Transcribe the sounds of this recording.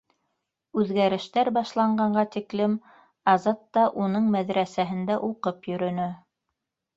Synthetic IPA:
ʉðɡæɾɘ̆ʃt̪æɾbɑʃlˠɑɴɢɑɴɢɑt̪iklɘm | ɑzɑt̪ːɑʔunɤɴmæðɾæsæɦɘ̆nd̪æʔuqɤpjɵ̆ɾɵ̆nɵ

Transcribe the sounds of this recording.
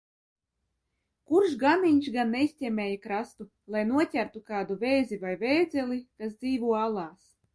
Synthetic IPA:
kuɾʃɡamiɲʃɡanːɛisʲtʲɛmʲeːjakɾast̪u | lˠajnuɔtʲæɾt̪ukaːd̪uvɛːzivajvɛːd̪zʲɛlikasd̪ziːvuɔalˠɑːs

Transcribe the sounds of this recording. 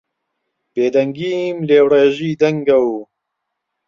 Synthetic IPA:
b̥eːd̪ɐŋɡiːmleːwreːʒiːd̪ɐŋɡɐw

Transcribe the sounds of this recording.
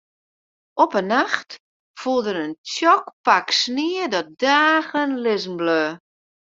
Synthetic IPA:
ʔɔpənːaxt | fulˠdənəntjɔkpaksniədɔt̚daːɣənlɪzn̩bløː

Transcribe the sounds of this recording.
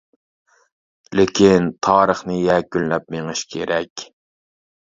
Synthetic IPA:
lɪkʲʰint̪ʰɑːɾəχnɨjɛkʲyllɛp̚meŋɨʃkʲʰeɾɛkʲ

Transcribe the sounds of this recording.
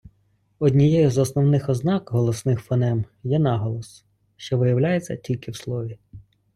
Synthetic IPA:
ɔdʲnʲijɛjɔzɔsnɔwnɪxɔznɑkɦɔlˠɔsnɪxfɔnɛm | jɛnɑɦɔlˠɔs | ʃt͡ʃɔʋɪjɐwlʲajet͡sʲːɐ̰tʲilʲkɪwslˠɔʋʲi

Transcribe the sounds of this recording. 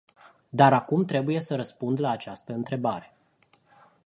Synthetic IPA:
d̪aɾakumt̪ɾe̞buje̞səɾəspund̪laːt͡ʃast̪əɨnt̪ɾe̞baɾe̞

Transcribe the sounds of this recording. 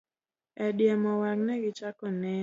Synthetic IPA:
ɛdjɛmɔwaknɛɡɪt͡ʃakɔnɛ

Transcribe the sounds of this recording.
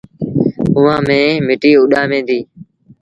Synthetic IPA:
ʊʋãːmẽːmɪʈiːʊɗãːmẽːd̪iː

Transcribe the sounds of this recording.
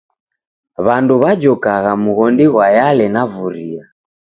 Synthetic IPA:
βanduβad͡ʒɔkaɣamuɣɔndiɣwajalɛnavuɾia

